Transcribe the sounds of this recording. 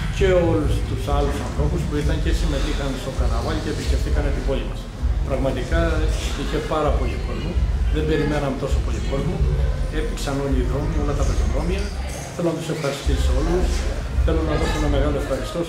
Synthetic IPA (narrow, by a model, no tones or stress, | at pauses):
ce̞o̞lust̪usɐlusɐnθɾo̞puspuit̪ɐɲce̞sime̞t̪ixɐnst̪o̞kɐnɐvɐlceːpiscʲeft̪ikɐnet̪ibo̞limɐs | pɾɐɣmɐt̪ikɐiçe̞pɐɾɐpo̞liko̞zmuðe̞mbe̞ɾime̞nɐmet̪o̞so̞po̞liko̞zmue̞pi̥ksɐno̞liːðɾo̞mio̞lɐt̪ɐpɾoc̪enɾo̞miɐ | θelo̞nɐt̪u̥sefxɐist̪iso̞lusθe̞lo̞nɐðosoenɐmeɣɐlo̞e̞fxɐɾist̪o̞